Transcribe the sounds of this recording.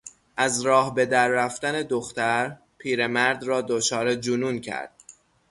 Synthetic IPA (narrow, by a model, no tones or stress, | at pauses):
ʔæzɾɒːhbe̞d̪æɾːæft̪æne̞d̪oxt̪æɾ | pʰiːɾe̞mæɾd̪rɒːd̪ot͡ʃʰɒːɾe̞d͡ʒunuːncʰæ̰ɾd̪̥